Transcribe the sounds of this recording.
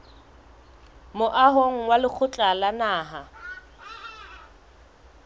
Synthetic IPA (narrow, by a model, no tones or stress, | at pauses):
mʊʔaɦoŋ̩walɪk͡xʰʊt͡ɬʼalanaːɦa